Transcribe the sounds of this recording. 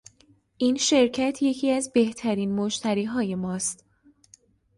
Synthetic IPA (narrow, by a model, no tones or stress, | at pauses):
ʔiːnʃe̞ɾcʰæt̪ʰje̞cʰiːæzbe̞ht̪ʰæɾiːnmoʃt̪ʰæɾiːɦɒːje̞mɒːst̪